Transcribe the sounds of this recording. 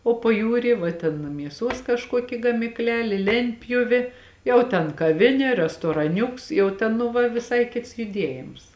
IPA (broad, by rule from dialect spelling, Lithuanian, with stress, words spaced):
oː pɐˈjuːrʲiː ʋɐ ˈtʲɛn mʲiɛˈsuɔs kɐʃˈkuɔkʲɪ ɡɐmʲɪkˈlʲæːlʲeː ˈlʲɛnʲtʲpʲjʊʋʲeː ˈjɛʊ tʲɛn kɐˈʋʲɪnʲeː rʲɛstoːrɐˈnʲʊks jɛʊ ˈtʲɛn nʊ ˈʋɐ ʋʲɪˈsɐɪ ˈkʲɪts jʊˈdʲiɛjɪms